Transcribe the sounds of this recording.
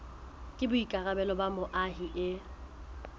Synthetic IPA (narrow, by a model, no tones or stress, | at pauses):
kʼɪbʊikʼarabɛlɔbamʊʔaɦiʔɪ